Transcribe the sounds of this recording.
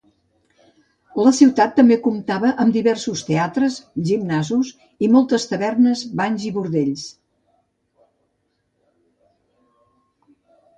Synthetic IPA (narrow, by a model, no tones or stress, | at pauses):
ləsiwt̪at̪ːəmbekumt̪aβəʔəmd̪iβɛrsust̪eat̪ɾəzʒimnazus | imɔlˠt̪əst̪əβɛrnəzbaɲziβuɾðeʎs